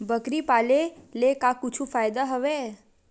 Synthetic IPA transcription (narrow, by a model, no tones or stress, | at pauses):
bəkɾipalelekakut͡ʃʰũfajd̪aɦəʋe